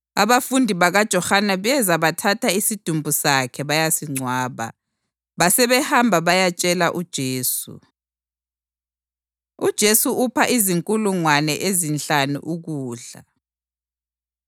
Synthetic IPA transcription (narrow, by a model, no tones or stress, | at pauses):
aβafundʱiβaɣad̥ʒ̥ʱɔhanɛβɛzaβatʰatʰaisid̥ʱumbʱusakʰɛβajasiŋ͡ǀʱwaːβa̰ | βasɛβɛhambʱaβajat͡ʃʼɛlaʔud̥ʒ̥ʱeːsṵ | ud̥ʒ̥ʱesuupʰaʔiziŋkʼuluŋwanɛʔezint͡ɬanṵʔuɣuːɮa̰